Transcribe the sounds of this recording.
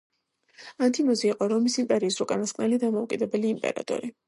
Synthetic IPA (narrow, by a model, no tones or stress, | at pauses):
ant̪ʰimɔziːqʼɔɾɔmisimpʼɛɾiːsɾukʼanasqʼnɛlid̪amɔukʼid̪ɛbɛliːmpʼɛ̰ɾa̰t̪ʼɔ̰ɾi